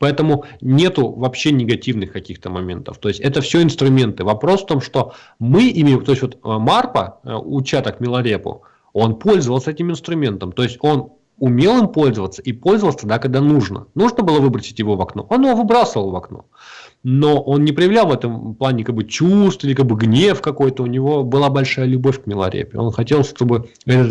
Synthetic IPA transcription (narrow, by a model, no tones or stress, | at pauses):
pɐɛt̪əmʊnʲe̞t̪ʊvɐpɕːenʲɪɡɐtʲivnɨxkɐkʲixt̪əmɐmʲe̞̰nt̪ə̰ft̪o̞ɪsʲtʲɛt̪əfsʲoɪnst̪ɾʊmʲe̞nt̪ɨvɐpɾo̞sft̪o̞mʂt̪o̞ | mɨʔimʲɪt̪o̞ɪst̪ʲvot̪marpə̰ʊt͡ɕat̪əkmʲɪlˠɐɾʲepʊ̰ | o̞npo̞lʲzəvəlˠsəɛtʲɪmɪnst̪ɾʊmʲe̞nt̪əmt̪o̞ɪsʲtʲo̞n | ʊmʲe̞lˠɨmpo̞lʲzəvət̪səipo̞lʲzəvəlˠsʲəd̪akɐɡ̚d̪anuʐnə̰nuʐnəbɨlˠəvɨbɾəsʲɪtʲjɪvo̞vɐkno̞̰ʔo̞njɪvovɨbɾasəvəlˠvɐkno̞̰ | no̞ʔo̞nnʲɪpɾʲəjɪvlʲalˠvɛt̪əmplˠanʲɪkaɡ̚bɨt͡ɕust̪ilʲɪkaɡ̚bɨɡnʲefkɐko̞jt̪əʊnʲɪvo̞bɨlˠabɐlʲʂajəlʲʊbofʲkmʲɪlˠɐ̰ɾʲḛpʲɪo̞̰nxɐtʲelˠʂt̪o̞bɨ | ɛt̪ət̪